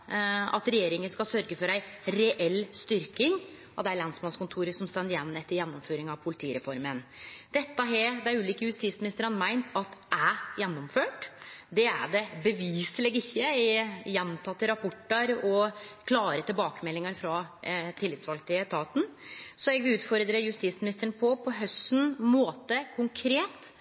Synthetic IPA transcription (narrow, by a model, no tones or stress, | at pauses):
ɑ̰t̪ɾɛjeːɾɪŋənskɑlsœɾɡəfɔɾæɪɾɛʔɛlːst̪ʏɾkɪŋ | ɔd̪ɛæɾɭɑnsmɑnskʊnt̪ʰuːɾəsɔmst̪ɛnd̪jɛnːɛt̪ːəɾjɛnːɔmføːɾɪŋɑʋpʰʊlɪt̪ʰiːɾɛfɔɾmənd̪̥ɛt̪ːəɦɛd̪æɾʉːliːkəjʉst̪iːsmɪnɪst̪əɾənmæɪnt̪ʰɑt̪ʔæjɛnːʊmføːʈd̪ɛæ̰ɖɛbəʋiːsəlɛɡɪçːəɪjɛnt̪ʰɑt̪ːəɾɑpʰɔʈːəɾɔkʰlɑːɾət̪ɪlbɑːkəmɛlːɪŋəɾfɾɑt̪ʰɪlːɪt̪sʋɑlkt̪ɪət̪ʰɑːt̪n̩sɔɛɡʋɪʉːt̪fɔɾəd̪ɾeːjʉst̪iːsmɪnɪst̪əɳəpʰɔpʰɔɦœst̪ːnmoːt̪əkʰʊŋkʰɾeːt̪